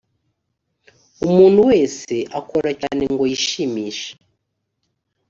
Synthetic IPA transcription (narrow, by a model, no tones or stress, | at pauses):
umuːn̤̥uweːseʔakoɾacaniŋɡojiʃimiʃḁ